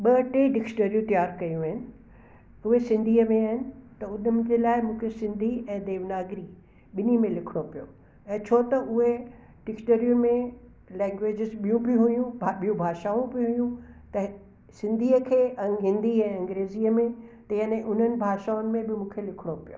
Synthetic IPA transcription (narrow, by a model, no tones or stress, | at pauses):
ɓɐʈeɖɪksʈəɾijũt̪jaːɾkɐjũaːɦɪnɪ̆ | ʊɦesɪ̃nd̪ʱiːəmẽaːɦɪnɪ̆t̪ɐʊnəɪd͡ʑeːlaːɪmũːkʰesɪ̃nd̪ʱiɛ̃ːd̪eːʋnaːɡɾi | ɓɪnimẽlɪkʰɽ̃opijo̰ | ɛ̃ːt͡ɕʰoːt̪ɐʔʊɦe | ɖɪksʈəɾjumẽ | lɛ̃ːŋɡʋeːd͡ʑɪzɓijũbɪɦujũbʱaɓijũbʱaːʃaːũbɪɦʊjũt̪ɐ | sɪ̃nd̪ʱiːəkʰeːʔɐ̃ɦɪ̃nd̪ʱiɛ̃ːɐ̃ŋɡɾeːziːəmẽt̪ɐɦənẽʔʊn̤ənɪ̆bʱaːʃaːʊnɪ̆mẽbɪmũːkʰelɪkʰɪɽ̃opijo̰ː